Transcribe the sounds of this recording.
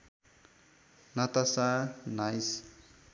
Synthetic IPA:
nat̪asanajs

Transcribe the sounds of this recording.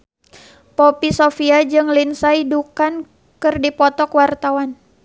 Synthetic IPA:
pɔpisofiad͡ʒɨŋlinsaidukan | kɨrdipɔt̪ɔkwart̪awan

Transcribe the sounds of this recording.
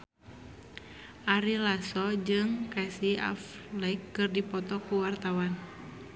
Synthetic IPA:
ʔaɾilasɔd͡ʒɨŋkɛsia̰flɛkːɨrdipɔt̪ɔkuwart̪awan

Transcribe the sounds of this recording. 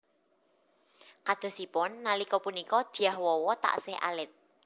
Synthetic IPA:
kad̪̥ɔ̤sipʊnːalikɔpunikɔd̪̥i̤ahwɔwɔt̪a̰ʔsɪhʔa̰lɪt̪̚

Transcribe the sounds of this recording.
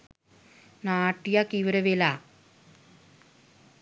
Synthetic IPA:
naːʈːijakiʋɐɾɐʋela

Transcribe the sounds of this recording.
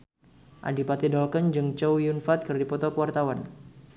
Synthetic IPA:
ʔa̰dipat̪idɔlkənd͡ʒɨŋt͡ʃowjunfat̪̚kɨrdipɔt̪ɔkəwart̪awan

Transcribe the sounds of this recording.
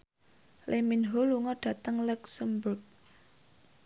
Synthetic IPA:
lʔeminɦoluŋɔɖ̥ä̤t̪əŋluksəmbuk̚

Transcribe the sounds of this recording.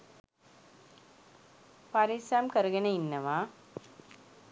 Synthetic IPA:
pɐɾisaːmkɐɾɯɣɐnɐɪnːɐʋaː

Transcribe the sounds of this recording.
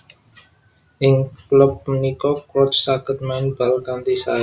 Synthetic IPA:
ɪŋklɔp̚mənikɔkwɔt͡ʃsakət̪̚manbalkant̪isa̰

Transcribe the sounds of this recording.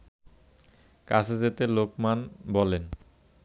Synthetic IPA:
kasʰed͡ʑet̪elokmanbɔlen

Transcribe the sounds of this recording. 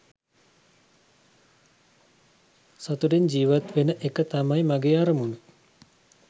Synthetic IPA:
sat̪uɖend͡ʒiːʋat̪ʋenəʔekət̪amajmaɡejaːɾəmunu

